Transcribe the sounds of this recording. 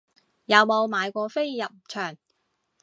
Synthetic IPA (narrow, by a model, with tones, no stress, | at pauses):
jɐ˨˧wmo˨˧wmaː˨˧jkʷɔː˧fe˥jːɐ˨p̚t͡ʃʰœː˨˩ŋ